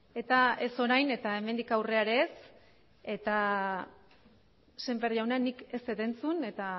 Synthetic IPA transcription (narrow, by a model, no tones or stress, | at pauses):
e̞t̪ae̞so̞ɾajne̞t̪ae̞me̞nd̪ikawre̞aɾe̞ːs | e̞t̪a | se̞mbeɾðiawnanike̞set̪e̞nt͡sune̞t̪a